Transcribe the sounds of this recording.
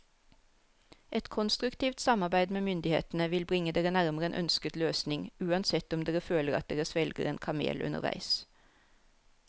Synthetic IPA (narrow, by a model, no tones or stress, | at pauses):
ʔɛt̪kʰɔnst̪ʁʉkt̪iːʋt̪sɑmɑʁbæɪd̪meːmʏnd̪ɪhḛːt̪n̩əʋɪlbʁɪŋəd̪eːʁənæʁməʁəḛːnʔœ̰nskət̪løːsnɪŋʉːɑnsɛt̪ɔmd̪eːʁəføːləʁɑ̰t̪̚d̪eːʁəsʋɛlɡə̰ʁeːnkʰɑmḛːlʉ̰nə̰ʁʋæ̰ɪs